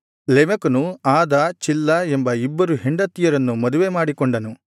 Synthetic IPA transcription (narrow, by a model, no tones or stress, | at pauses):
lemɐkɐnuaːd̪ɐt͡ʃilːɐembɐibːɐɾuɦeɳɖɐt̪ːijɐɾɐnːumɐd̪uʋeːmaːɽikɔɳɖɐnu